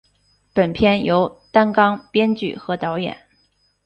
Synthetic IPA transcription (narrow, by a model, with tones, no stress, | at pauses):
pə˨˩npʰjɛ˥njo˧˥ʊt̪a˥nkɑ˥ŋpjɛ˥nt͡ɕy̰˨˩xɤ˧˥t̪ɑ˧˥ʊjɛ̰˨˩˦n